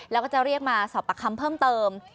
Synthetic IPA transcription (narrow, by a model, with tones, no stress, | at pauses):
lɛː˦˥wkɔː˥˩t͡ɕa˨˩ɾi˥˩ək̚maː˧sɔː˩˦˥pːa˧˩kʰːa˧mpʰɤː˥˩mt̪ɤː˧m